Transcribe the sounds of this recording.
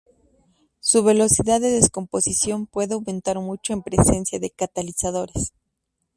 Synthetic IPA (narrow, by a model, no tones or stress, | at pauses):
suβe̞lo̞siðaðːeðe̞sko̞mpo̞sisjo̞mpwe̞ðeawmẽ̞nt̪aɾmut͡ʃo̞empɾe̞se̞nsjaðe̞kat̪alisaðo̞ɾes